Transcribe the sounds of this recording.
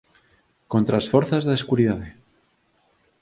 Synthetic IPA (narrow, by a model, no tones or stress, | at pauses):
kont̪ɾasfoɾθazðeeskuɾiðaðe